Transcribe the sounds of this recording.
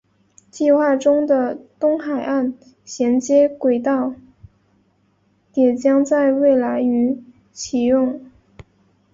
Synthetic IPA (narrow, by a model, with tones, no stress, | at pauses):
t͡ɕi˥˧xwa˥˩ʈ͡ʂʊ˥ŋd̪ə˨t̪ʊ˥ŋxa˨˩ɪʔa˥˩n | ɕjɛ˧˥nt͡ɕjɛ˥kwe˨˩ɪt̪ɑ˥˩ʊ | t̪jɛ˨˩t͡ɕjɑ˥ŋt͡sa˥˧ɪwe˥˩ɪla˧˥ɪy˧˥ | t͡ɕʰi˨˩jʊ˥˩ŋ